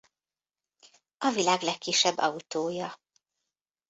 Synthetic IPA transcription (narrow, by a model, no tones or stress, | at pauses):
ɒvilaːɡlɛkːiʃːɛbːɒut̪oːjɒ